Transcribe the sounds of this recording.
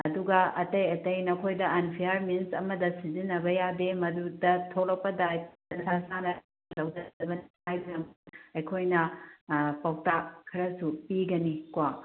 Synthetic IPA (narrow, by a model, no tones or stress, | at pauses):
ɐduɡɐɐtɐjɐtɐjnɐkʰojdɐanpʰijaɾminsɐmɐdɐsizinːɐbɐjademɐdudɐtʰoklɐk̚pɐdajʰ | ɐnsʰasanɐ | lɐwdɐɐbɐnihajbɐɾɐmɐjkʰojnɐ | pawtakʰːɐɾɐsupiɡɐnikwa